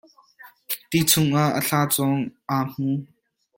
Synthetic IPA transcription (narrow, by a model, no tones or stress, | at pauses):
t̪it͡sʰʊŋʔaʔə̰ɬaːt͡sɔŋʔaːm̥u